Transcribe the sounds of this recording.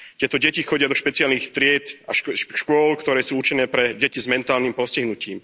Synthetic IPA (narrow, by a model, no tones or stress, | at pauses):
t̪ɪɛt̪ɔɟɛcixɔɟɪad̪ɔʃpɛt͡sɪalnixt̪ɾɪɛt̪aʃʃkʊɔlkt̪ɔɾɛːsuːut͡ʃinɛːpɾɛɟɛcizmɛnt̪aːlnimpɔsciɦnuciːm